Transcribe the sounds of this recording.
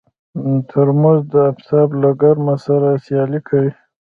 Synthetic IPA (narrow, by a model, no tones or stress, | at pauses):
t̪ʰəɾmʊzd̪əabsɑblaɡaɾmasaɾasjɑlikʰawi